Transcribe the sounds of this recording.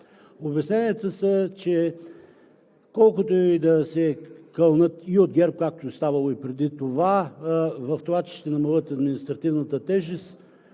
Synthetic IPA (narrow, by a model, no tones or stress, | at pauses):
obɛsnɛniət̪əsət͡ʃɛ | kɔlˠkot̪oid̪ɐsɛkəlˠnət̪iod̪ɡʲɛɾp̚kak̚t̪ost̪avɐlˠoipɾɛd̪it̪ova | vɐft̪lˠat͡ʃi̥t̪ɛnɐmɐlˠət̪ɐd̪minist̪ɾɐt̪ivnət̪ət̪ɛʒist̪